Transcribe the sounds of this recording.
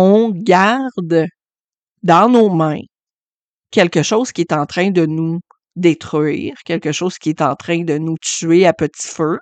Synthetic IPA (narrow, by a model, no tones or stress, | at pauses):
ɔ̃ɡaʁd̪ | d̪ɑ̃nomɛ̃ | kʲɛlkəʃɔz̥kʲiet̪ɑ̃t̪χɛ̃d̪ənu | d̪et̪χɥḭːʁkʲɛlkəʃɔːz̥kʲiet̪ɑ̰̃ːt̪χɛ̃d̪ənut͡syeapət̪si̥fø